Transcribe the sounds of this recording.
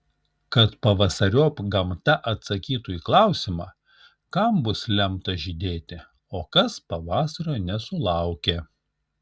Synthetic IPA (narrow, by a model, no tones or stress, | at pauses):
kɐt̪pɐʋɐsɐɾʲoːpɡɐmt̪ɐʔɐt̪sɐkʲiːt̪uːiːklˠɑˑʊsʲɪmɑː | kɐmbʊslʲɛmt̪ɐʒʲid̪ʲeːt̪ʲɪ | oːkɐspɐʋɑːsɐɾoːnʲɛsʊlˠɑˑʊkʲeː